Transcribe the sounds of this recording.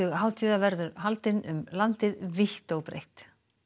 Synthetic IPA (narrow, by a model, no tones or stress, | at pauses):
ʏɣɦaːwt̪ʰiːðavɛɾðʏɾhalt̪ɪnʏ̰mlant̪ɪðviht̪owpɾḛjht̪